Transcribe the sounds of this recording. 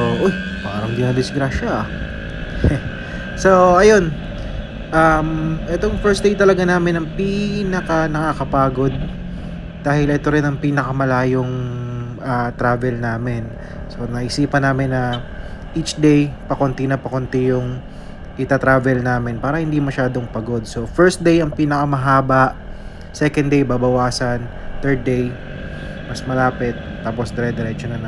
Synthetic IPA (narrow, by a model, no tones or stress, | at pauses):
oʔoj | paːɾɐŋd̪inɐd̪ɪsɡɾaːʃɐʔ | soʔɐjo̞n | ʔɐmʔɛt̪o̞ŋfɛɹsd̪ejt̪ɐlɐɡanaːmɪnɐŋpiːnɐkɐnɐkakɐpaːɡo̞d̪̚ | d̪̥aːhɪlʔɛt̪o̞ɾɪnɐŋpiːnɐkɐmɐlaːjoŋʔat̪ɾaːvɛlnaːmɪn | sonɐʔɪsiːpɐnaːmɪnːɐʔit͡ʃd̪ejpɐkont̪inɐpɐkont̪ɪjʊŋ | ʔɪt̪at̪ɾaːvɛlnaːmɪnpaːɾɐhɪnd̪imɐʃaːd̪o̞ŋpɐɡo̞d̪̚so̞fɛɹst̪̚d̪ejɐŋpiːnɐkɐmɐɦaːbɐʔ | sɛkɐnd̪ejbaːbɐwaːsɐnt̪ɛɹd̪̚ːej | mɐsmɐlaːpɛt̪̚ːaːpo̞sd̪ɛɾɛd̪ɛɾɛt͡ʃonɐn